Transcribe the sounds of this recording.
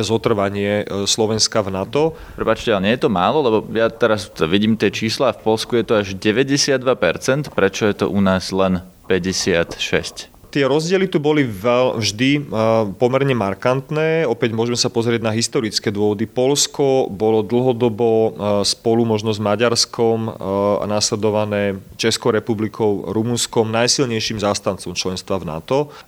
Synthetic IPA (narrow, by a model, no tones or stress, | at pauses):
zɔt̪r̩ʋaɲɪɛslɔʋɛnskavnat̪ɔ | pɾɛpaːt͡ʃcɛaɲɪɛjɛt̪ɔmaːlɔlɛbɔjat̪ɛɾast̪ʋiɟiːmt̪ɪɛt͡ʃiːslaːfpɔlskujɛt̪ɔaʒɟɛʋɛɟɛsɪad̪ːʋapɛɾt͡sɛnt̪pɾɛt͡ʃɔjɛt̪ɔ̰ʔunaːzlɛn | pɛɟɛsɪat̪ʃɛ̰sc | t̪ɪɛɾɔzɟɪɛlit̪ubɔliʋɛlvʒd̪ipɔmɛɾɲɛmaɾkant̪nɛːɔpɛɟmʊɔʒɛmɛsapɔzɾɪɛɟnaɦist̪ɔɾit͡skɛːd̪ʊɔʋɔd̪ipɔʎskɔbɔlɔd̪l̩ɦɔd̪ɔbɔspɔlumɔʒnɔzmaɟaɾskɔm̰naslɛd̪ɔʋanɛːt͡ʃɛskɔʊɾɛpublikʰɔʊɾumunskɔmnajsilɲɛjʃiːmzaːst̪ant͡sɔmt͡ʃlɛnst̪ʋavna̰t̪ɔ